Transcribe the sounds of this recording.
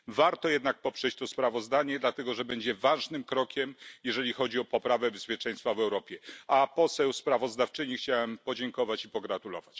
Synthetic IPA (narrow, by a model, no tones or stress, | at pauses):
vaɾt̪ɔjɛd̪nak̚pɔpʂɛt͡ɕt̪ɔspɾavɔzd̪aɲɛd̪lat̪ɛɡɔʐɛbɛɲd͡ʑɛvaʐnɘmkɾɔkʲɛmjɛʐɛlʲixɔd͡ʑiɔpɔpɾavɛbɛspʲjɛt͡ʂɛj̃st̪favɛwɾɔpʲjɛapɔsɛwspɾavɔzd̪aft͡ʂɘɲixt͡ɕawɛmpɔd͡ʑɛŋkɔvat͡ɕipɔɡɾat̪ulɔ̰vat͡ɕ